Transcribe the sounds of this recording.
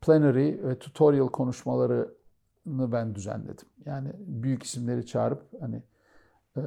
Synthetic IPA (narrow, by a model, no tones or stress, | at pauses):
pʰlʲenaɾivɛt̪ʰu̥t̪ʰoɾjalˠkʰo̞nuʃmalˠaɾɯ | nɯbænd̪yzæ̰nlʲe̞̰d̪imjaːnɪbyjyci̥simlʲe̞ɾit͡ʃʰa̰ːɾɯphanɪ